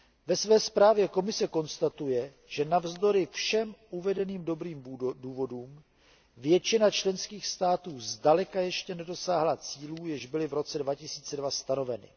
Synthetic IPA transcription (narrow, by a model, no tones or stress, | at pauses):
vɛsvɛːspɾaːvjɛko̞mɪsɛko̞nst̪at̪ujɛ | ʒ̥ɛnavzd̪o̞ɾɪfʃɛmʔuvɛdɛniːmdo̞bɾiːmduːvo̞duːm | vjɛt͡ʃɪnat͡ʃlɛnskiːxst̪aːt̪uːzdalɛkajɛʃcɛnɛdo̞saːɦlat͡siːluːjɪʒbɪlɪvɾo̞t͡sɛdvacɪsiːt͡sɛdvast̪ano̞vɛnɪ̰